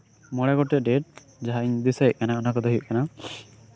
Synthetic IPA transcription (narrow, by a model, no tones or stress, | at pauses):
mɔɽaɡɔʈɛɖeʈ̚ | d͡ʒaɦaiɲd̪isajʔkanaɔnakɔd̪ɔɦiṵʔkana